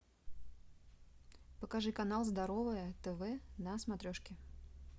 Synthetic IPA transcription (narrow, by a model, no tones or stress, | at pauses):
pəkɐʐɨkɐnalˠzd̪ɐɾovɨjət̪ɛvɛnɐsmɐt̪ɾʲoʂkʲɪ